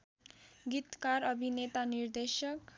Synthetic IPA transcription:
ɡit̪kaɾʌbʱinet̪anird̪esʌk

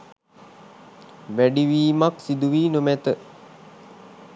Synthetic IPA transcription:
ʋæɖiʋiːmaksid̪uʋiːnumæt̪ə

